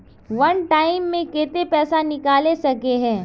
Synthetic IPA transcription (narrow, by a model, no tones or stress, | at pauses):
ʋɐnʈaːɪmːẽkeːt̪epɛːsanɪkaːlesɐkeɦɛ̃ː